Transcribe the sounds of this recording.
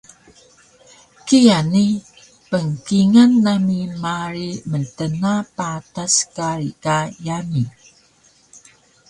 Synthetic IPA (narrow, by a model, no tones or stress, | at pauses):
kijani | pəŋkiŋanːamimaɾiməntənapataskaɾikajani